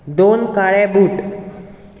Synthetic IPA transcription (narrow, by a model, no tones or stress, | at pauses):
d̪onkaɭebuʈ